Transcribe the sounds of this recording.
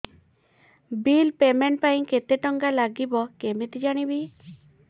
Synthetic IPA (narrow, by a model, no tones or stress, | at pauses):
bilpemeɳʈ̚paĩket̪eʈɔŋɡalaɡibɔkemet̪id͡ʒaɽ̃ibi